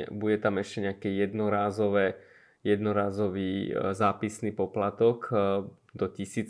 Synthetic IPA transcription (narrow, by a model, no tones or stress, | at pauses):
buɟɛt̪amɛʃcɛɲɛakɛjɛd̪nɔɾaːzɔʋɛ | jɛd̪nɔɾaːzɔʋiːzaːpisniːpɔplat̪ɔk | d̪ɔcisiːt͡s